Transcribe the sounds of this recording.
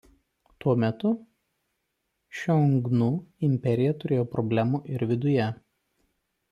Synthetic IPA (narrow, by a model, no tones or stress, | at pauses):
t̪uɔmʲɛt̪ʊ | ʃʲɔŋɡnuːɪmʲpʲɛɾʲɪjɛt̪ʊɾʲeːjoːpɾɔbʲlʲæːmuːʔɪɾʋʲɪd̪ʊjɛ